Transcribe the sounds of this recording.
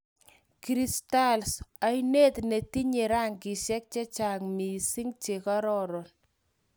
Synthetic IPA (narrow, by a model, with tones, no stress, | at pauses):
kɾista˦lsa˨˦jne˦t̪ne˨ti˦ɲe˨ɾa˦ŋki˨ʃɛ˦k̚t͡ʃɛ˦t͡ʃa˨ŋmi˨si˦ŋt͡ʃe˨ka˦ɾɔ˦ɾɔ˨n